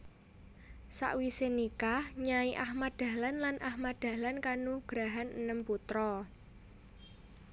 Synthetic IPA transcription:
sa̰ʔwisenikahɲaiʔahmad̪̥a̤lanlanʔahmad̪̥a̤lankanuɡ̥ɾaɦanənəmput̪ɾɔ

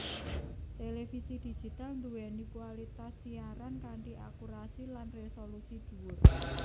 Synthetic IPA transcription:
t̪elefisid̪̥i̤̥d͡ʒ̥i̤t̪alnd̪uwɛnikualit̪asiaɾankaɳʈiʔa̰kuɾasilanresolusid̪̥ṳwʊr

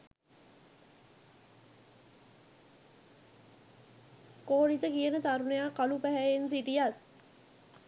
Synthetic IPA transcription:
koːnit̪əkiənət̪aɾunejaːkɐlupæɦæensiʈijat̪

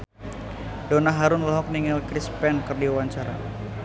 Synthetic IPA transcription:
donaɦaɾʊnlaɦɔk̚niŋəlkɾispɛnkɨrdiwaɲt͡ʃaɾa̰

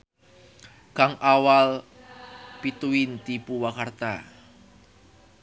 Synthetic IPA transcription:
kaŋʔawal | pit̪uint̪ipuwakart̪a

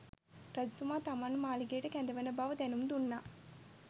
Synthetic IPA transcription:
pɾɐd̪t̪umaːt̪ɐmanːumaːliɡeːʈɐkɛnd̪ɐʋɐnɐbaʋɐd̪ɛnumd̪unːaː

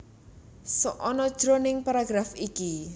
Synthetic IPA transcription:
sɔʔɔnɔd̥ʒ̥ɾonɪŋpaɾaɡ̥ɾafiki

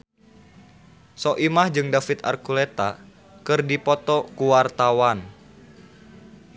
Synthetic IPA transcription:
sɔʔimahd͡ʒɨŋdafit̪a̰rkulet̪a | kɨrdipɔt̪ɔkuwart̪awan

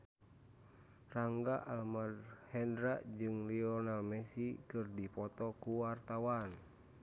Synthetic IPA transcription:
raŋɡaʔalmadhɛndɾaʔd͡ʒɨŋliɔnalmɛsikɨrdipɔt̪ɔkuwart̪awan

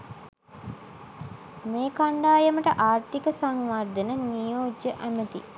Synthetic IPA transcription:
meːkaɳɖaːjəməʈəʔaːɾt̪ikəsaŋʋard̪ənənijoːd͡ʒəʔæmət̪ḭ

